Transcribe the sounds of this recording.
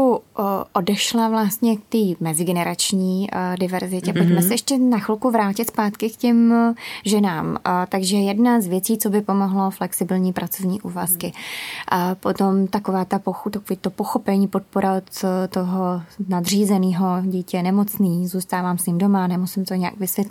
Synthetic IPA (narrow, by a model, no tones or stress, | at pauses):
uʔo̞dɛʃlavlast̪ɲɛk̚t̪iːmɛzɪɡɛnɛɾat͡ʃɲiːdɪvɛɾzɪcɛpocmɛssɛjɛʃcɛnaxlkuvɾaːcɪt̪spaːt̪kɪkcɛmʒɛnaːmt̪aɡʒɛɛjɛdnazvjɛt͡siːt͡so̞bɪpomoɦlo̞flɛksɪbɪlɲiːpɾʔat͡so̞vɲiːʔuːvaskɪ | po̞t̪omt̪akovaːt̪apoxt̪akoviːt̪opoxo̞pɛɲiːpo̞t̪̚po̞ɾat̪oɦonad̪r̝iːzɛniːɦo̞ɟiːcɛnɛmo̞t͡sniːzuːst̪aːvaːmsɲɪmdomanɛmosɪmt̪oɲɛja̰ɡvɪsʋjɛt̪l